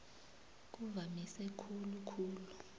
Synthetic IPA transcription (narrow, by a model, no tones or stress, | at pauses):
k̬uvamisɛkʰulukʰuːlu